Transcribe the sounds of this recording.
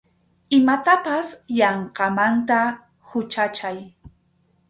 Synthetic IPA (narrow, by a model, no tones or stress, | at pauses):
ɪmat̪apasjɑɴqɑmant̪a | hʊt͡ʃat͡ʃaj